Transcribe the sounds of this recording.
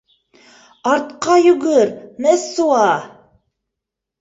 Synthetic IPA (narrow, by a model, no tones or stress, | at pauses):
ɑɾt̪qɑjʉɡɘɾmɘsːuɑ